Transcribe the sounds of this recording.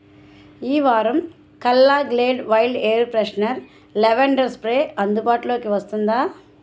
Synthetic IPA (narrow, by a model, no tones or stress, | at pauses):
iːʋaːɾɐm | kɐlːaːɡleːɖʋɐjlɖeːɾpɾɐʂnɐɾ | lɛʋɐɳɖɐɾspɾeːɐnd̪ubaːʈulo̞ːkiʋɐst̪und̪aː